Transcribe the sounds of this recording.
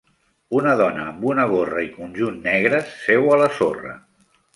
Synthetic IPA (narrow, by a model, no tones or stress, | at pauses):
unəðɔnəːmbunəɣorəikunʲʒunːɛɣɾəsfɛwələsorə̰